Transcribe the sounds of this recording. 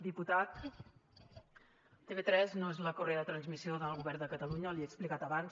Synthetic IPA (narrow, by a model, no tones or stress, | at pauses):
d̪iput̪at̪ | t̪eβet̪ɾɛznoezləkureəðət̪ɾənzmisioðəlˠɣuβɛrnd̪əkət̪əluɲəliɛːksplikat̪əβans